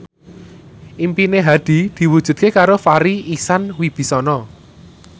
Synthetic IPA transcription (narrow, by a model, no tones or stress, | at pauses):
ʔimpineɦad̪̥i̤d̪̥i̤wud̥ʒ̥ṳd̪̚kekaɾofaɾiisanwib̥i̤sɔnɔ